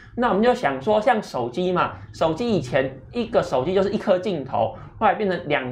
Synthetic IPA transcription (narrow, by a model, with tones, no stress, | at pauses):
na˥˩wɔ˨˩mə̃˦nt͡ɕjo˥˩ʊɕjɑ˨˩ŋʂwɔ˦ɕjɑ˥˩ŋʂo˨˩ʊt͡ɕi˦ma˨ʂo˨˩ʊt͡ɕi˦˥i˨˩t͡ɕʰjɛ˨˦n | i˦ɡə˨ʂo˨˩ʊt͡ɕi˦t͡ɕjo˥˧ʂɻ̩˥˧˨i˥˧kʰɤ˥˧t͡ɕi˥˩nt̪ʰo̰˧˦ʊ | wo˥˩la˧˦˥pjɛ˥˨nʰə˧˦nlja˨˩ŋ